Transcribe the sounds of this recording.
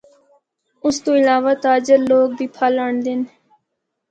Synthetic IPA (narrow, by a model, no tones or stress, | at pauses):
ʊst̪õːɪlaːʋat̪aːd͡ʒəɾloːk̚d̪iːpʰaːləɳd̪ɪn